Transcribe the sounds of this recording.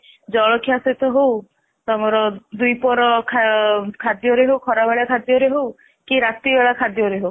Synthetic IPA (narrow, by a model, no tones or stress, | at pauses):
d͡ʒɔɭɔkʰijaset̪ɔɦow | t̪ɔmɔɾɔd̪ujpɔɾɔkʰakʰad̪jɔɾeɦowkʰɔɾabaɭjakʰad̪jɔɾeɦow | kiɾat̪ibeɭakʰad̪jɔɾeɦow